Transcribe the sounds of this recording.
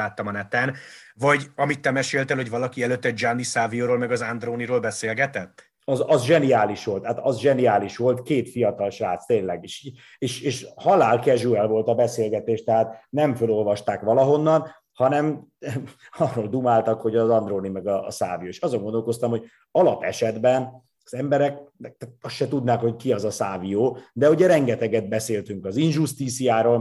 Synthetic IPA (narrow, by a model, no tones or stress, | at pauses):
aːt̪ːɒmɒnɛt̪ɛnvɒɟɒmit̪ːɛmɛʃeːlt̪ɛlho̞ɟvɒlɒkiɛløt̪ːɛd͡ʒanːisaːvijoːɾoːlmɛɡɒzand̪roːniɾoːlbɛseːlɡɛt̪ɛt̪ː | ɒzɒzʒɛniaːliʃʋo̞lt̪haːt̪ɒzʒɛniaːliʃʋo̞lt̪keːt̪fiɒt̪ɒlʃraːt̪st̪eːnlɛɡiʃ | eːʃeːʃhɒlaːlkɛʒuɛlvo̞lt̪ɒbɛseːlɡɛt̪eːʃt̪ɛɦaːt̪nɛɱfølo̞lvɒʃt̪aːkʋɒlɒɦo̞nːɒn | hɒnɛm | ɒrːoːld̪umaːlt̪ɒkho̞ɟɒzɒnd̪roːnimɛɡɒ̰ːsa̰ːvijoeːʃɒzoŋɡond̪olko̞st̪ɒmho̞ɟ | ɒlɒpɛ̰ʃɛd̪bɛn | ɒzɛmbɛɾɛk̚nɛk̚t̪t̪ɒsʃɛt̪ud̪naːkho̞ckiɒzɒsaːvioːd̪ɛuɟɛɾɛŋɡɛt̪ɛɡɛd̪̚bɛseːlt̪yŋkɒzinʒust̪iːt̪sijaːɾoːl